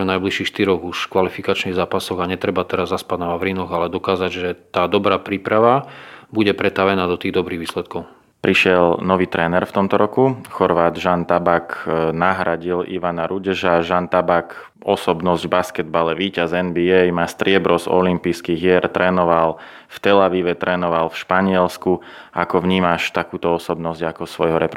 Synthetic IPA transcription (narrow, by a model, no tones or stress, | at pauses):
najbliʃiːxʃt̪iɾɔɣuʃkʋalifikat͡ʃniɣzaːpasɔɣaɲɛt̪ɾɛbat̪ɛɾazːaspad̪naʋaʋɾinɔɣalɛd̪ɔkaːzaɟʒɛt̪aːd̪ɔbɾaːpɾiːpɾaʋabuɟɛpɾɛt̪aʋɛnaːd̪ɔt̪iːɣd̪ɔbɾiːɣʋiːslɛt̪̚kɔʊ | pɾiʃɪɛlnɔʋiːt̪ɾɛːnɛɾft̪ɔmt̪ɔɾɔkuxɔɾʋaːd̪ʒant̪abaknaɦɾaɟilḭʋanaɾʔuɟɛʒaʒant̪abak | ɔsɔbnɔzɟbaskɛd̪̚balɛʋiːcazɛnbiɛjmaːst̪ɾɪɛbɾɔzɔ̰limpijskiɣjɛɾt̪ɾɛːnɔʋal | ft̪ɛlaʋiːʋɛt̪ɾʔɛːnɔʋalfʃpaɲɪɛlsku | akɔʋɲiːmaʃt̪akuːt̪ɔɔsɔbnɔzɟakɔsʋɔjɦɔɾɛp